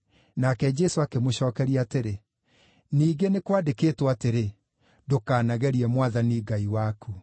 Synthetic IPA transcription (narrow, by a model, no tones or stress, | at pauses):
nakɛd͡ʒɛsoakemoɕɔːkɛɾiateɾe | niːɡenekwadekeːtwateɾe | dokaːnaɣɛɾiɛmwaðaniɡaiwakʰu